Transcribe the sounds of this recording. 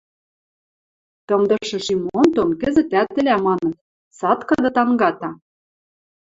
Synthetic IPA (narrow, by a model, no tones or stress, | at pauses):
t̪ɤ̆md̪ɤ̆ʃɤ̆ʃimont̪onkɘ̆zɘ̆t̪æt̪ːɘ̆lʲæmɑnɤ̆t̪̚ | sɑt̪kɤ̆d̪ɤ̆t̪ɑŋɡɑt̪ɑ